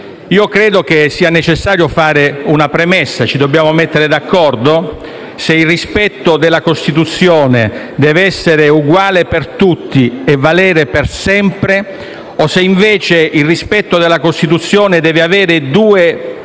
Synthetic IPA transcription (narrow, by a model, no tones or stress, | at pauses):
iːokɾɛːd̪ok̟esːiːanet͡ʃesːaːɾjofaːɾeunapɾemɛsːat͡ʃid̪obːjaːmomet̪ːeɾed̪akːɔrd̪o | seilrispɛt̪ːod̪elakost̪it̪ut̪sːjɔːne | d̪ɛːveɛsːeɾeuɡwaːlepert̪ut̪ʰːiɛvːalɛːɾepersɛmpɾe | oseiɱvɛːt͡ʃeilrːispɛt̪ːod̪elːakost̪it̪̬ut̪sːjɔːned̪ɛːveavɛːɾɪd̪uːe